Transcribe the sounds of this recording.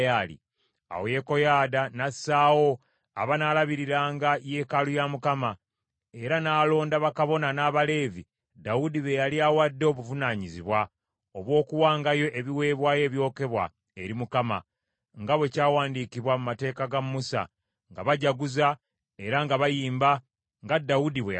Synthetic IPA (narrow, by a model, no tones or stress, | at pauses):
jalḭ | a̰woje̞ko̞jaːdanasaːwo̞ | aβanaːlaβiɾiɾaːŋɡaje̞kalujamukama | e̞ɾanaːlo̞ːndaβakaβo̞nanaːβale̞ːvi | daudiβe̞jaliawadːoβuvunaːɲiziβwa | o̞βwo̞ːkuwaːŋɡajo̞ʔe̞βiwe̞ːβwaːje̞ːβjo̞ːke̞βwa̰ | e̞ɾimukama̰ | ŋɡaβwe̞caːwaːndikiβwamumate̞ːkaɡamːusa̰ | ŋɡaβaɟaɡuza | e̞ɾaŋɡaβajiːmba | ŋɡadːawudiβe